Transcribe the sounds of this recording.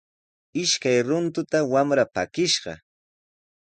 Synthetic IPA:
ɪʃkajɾʊnt̪ʊt̪awamɾapa̰kɪʃɢɑ̰

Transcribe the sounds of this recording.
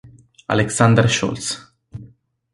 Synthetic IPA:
a̰leksand̪erʃṵls

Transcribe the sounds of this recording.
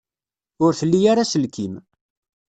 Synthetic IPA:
ʊɾθəlːijaɾasəlkʰim

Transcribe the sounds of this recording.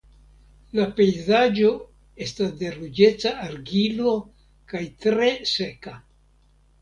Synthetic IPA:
lape̞jzad͡ʒo̞ | e̞stasde̞ɾud͡ʒe̞t͡saːɾɡilo̞ | kajtɾe̞se̞ka

